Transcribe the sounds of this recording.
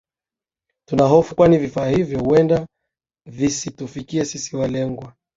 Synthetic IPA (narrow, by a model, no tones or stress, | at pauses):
tunaɦɔfukwanivifaːhivjɔhuɛnda | visitufikiɛsisiwalɛŋɡwa